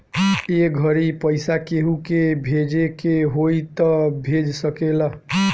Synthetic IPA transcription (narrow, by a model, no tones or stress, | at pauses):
eɡʱʌɾipəjsakeɦukebʱed͡ʒekeɦojt̪ʌbʱed͡ʒsʌkelʌ